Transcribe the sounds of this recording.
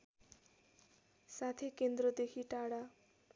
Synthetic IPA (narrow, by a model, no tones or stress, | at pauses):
sat̪ʰekend̪ɾʌd̪ekʰiʈaɽa